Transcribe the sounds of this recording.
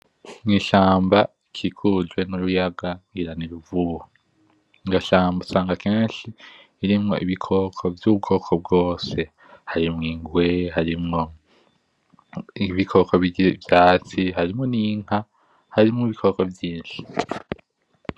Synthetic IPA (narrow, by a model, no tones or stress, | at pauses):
ŋiːʃaːmbaikʰikʰuzɡwe̞nuɾujaɡaiɾaniɾuvuhu | ŋɡaʃaːmbasaːŋɡakeːnʃiː | ɾimŋo̞̰ʔiβikʰo̞kʰovjub̚ɡo̞ːkʰob̚ɡo̞ːse̞ | haɾimŋiːŋɡwehaɾimŋo̞ | iβikʰo̞koβvjaːt͡siɦaɾimŋoniŋ̥a | haɾimŋoβikʰo̞kovjiːnʃi̥